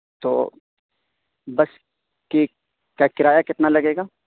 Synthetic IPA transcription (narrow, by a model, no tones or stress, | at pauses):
t̪o̰ː | bɐs | ki | kakɪɾaːjakɪt̪nalɐɡeːɡaː